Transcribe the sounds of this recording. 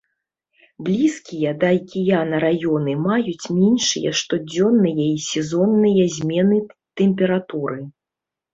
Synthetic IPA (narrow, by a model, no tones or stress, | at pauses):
blʲiskʲijɐd̪ajkʲijanɐɾajɔnɨmajut͡sʲmʲɛnʂɨ̰jɐ̰ʂt̪ɔd͡zʲɔnːɨjɐisʲɛzɔnːɨjɐzʲmʲɛnɨt̪ɛmʲpʲɛɾat̪uɾɨ